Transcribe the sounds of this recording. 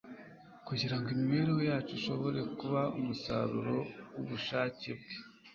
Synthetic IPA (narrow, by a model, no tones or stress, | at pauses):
kuɟiɾaŋɡemiβe̞ːɾehojaːt͡ʃuʃo̞βo̞ɾe̞kuβaumusa̰ɾṵɾo̞wuβuʃaːceb̚ɡe